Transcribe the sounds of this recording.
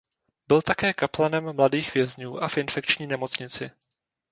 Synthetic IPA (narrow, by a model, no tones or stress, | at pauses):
bɪlt̪akɛːkaplanɛmːladiːxvjɛzɲuːʔafʔɪnfɛk̚t͡ʃɲiːnɛmo̞t͡sɲɪt͡sɪ